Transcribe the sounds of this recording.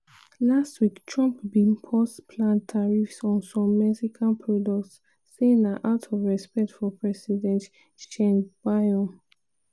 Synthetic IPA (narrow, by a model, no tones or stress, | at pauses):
lastwiktʰɹɔ̃mpbĩnpʰɔspʰlãntʰaɹifsɔ̃nsɔ̃mːɛksikʰãnpʰɹɔdɔk̚tsː | enaʔaʊtʰɔvɹɛspɛk̚tfɔpʰɹɛsidɛ̃nt | ʃɛ̃nbaɔ̃n